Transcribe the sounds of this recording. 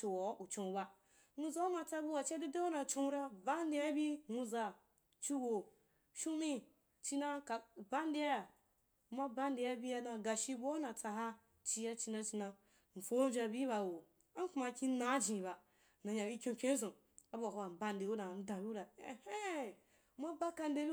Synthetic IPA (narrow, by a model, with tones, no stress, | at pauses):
t͡ʃo˨wo˨˦u˨t͡ʃõ˧˨˦ba˦ | nu˦za˦o˦ma˨˧t͡sa˦bu˦wa˨t͡ʃa˦di˦da˦wo˦na˨t͡ʃõ˦ɾa˦ba˦n˦di˦ja˦bi˦nu˧za˨ | t͡ʃi˦wo˨ | ʃu˦mi˦ | t͡ʃi˦na˦ka˨ba˦n˦di˦ja˦ja˨˦ | ma˦ba˦n˦di˨˦ja˦bi˦a˦na˨ɡa˨ʃi˦bo˦na˨t͡sa˧ɦa˦ | t͡ʃi˧ja˦t͡ʃi˧na˧t͡ʃi˧na˧ | n̩˨fo˦vʲa˧bʲi˦ba˨wo˨ | a˦ŋ˦ka˨kʲi˦na˦d͡ʒĩ˨ba˨ | na˨ɲa˨bi˦kʲõ˦˧˦kʲẽ˦zõ˨ | a˦ba˨ho˨a˨ba˦nde˨wo˦da˨n̩˦dã˨bʲi˦da˨e˨he˦ | ma˦ba˦ka˧nde˦bi˦